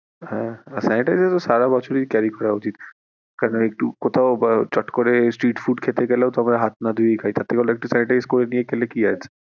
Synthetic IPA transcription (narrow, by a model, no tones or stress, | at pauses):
hɛ̃asajɳʈajzɛt̪osaɾabɔt͡ɕʰoɾikɛɾikɔɾaut͡ɕit̪ | kaɾnoek̚ʈukot̪ʰaobt͡ɕɔʈkoɾesʈɾiʈfʰuɖkʰet̪eɡɛleot̪oamaɾaɦat̪̚nad̪ʱuejkʰajt̪at̪ʰːekeɔloek̚ʈusajɳʈajzkoɾenijekɛlekiajt͡ɕʰe̥